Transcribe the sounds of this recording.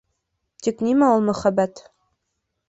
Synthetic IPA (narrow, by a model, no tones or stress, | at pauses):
t̪iknimæulˠmɵ̆χæbːæt̪